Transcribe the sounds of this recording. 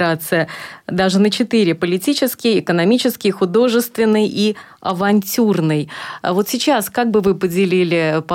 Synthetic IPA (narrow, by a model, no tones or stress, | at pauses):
ɾat̪sɨjəd̪aʐɨnət͡ɕɪt̪ɨɾʲɪpəlʲɪtʲit͡ɕɪskʲɪjɪkənɐmʲit͡ɕɪskʲɪjxʊd̪o̞ʐɨst̪vʲɪnːɨjʔi | ɐvɐnʲtʲurnɨjvo̞t̪sʲɪt͡ɕaskak̚bɨvɨpədʲɪlʲilʲɪpɐ